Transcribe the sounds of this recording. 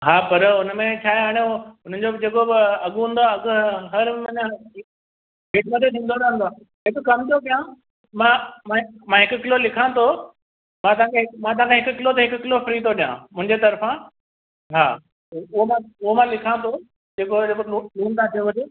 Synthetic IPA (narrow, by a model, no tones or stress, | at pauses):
ɦaːpɐɾʊnmẽt͡ɕʰaːɦjaːɽ̃eʊn̤ən̆d͡ʑobɪd͡ʑeːkobɪɐɠɦũːn̆d̪oaɐɡɦɐɾmɐɲã | bʱeːʈmət̪ʰet̪ʰĩːnd̪oɗãːnd̪oaː | ɦɪkʊkɐmt̪opijã | mãmãmãɦɪkʊkɪlolɪkʰãt̪ʰo | mãːt̪ɐãːkʰeɦɪkmãːt̪̬ɐʋãkẽɦɪkʊkɪlot̪̬ɐɦɪkʊkɪlofɾiːt̪oɗijã̰mʊ̃ɦɪ̃ɲd͡ʑet̪ɐɾfã | ɦa̰ː | ʊɦomãʊɦomãlɪkʰãt̪ʰo | d͡ʑeːkod͡ʑekouluːnt̪ʰat̪ʰijʋɐd͡ʑe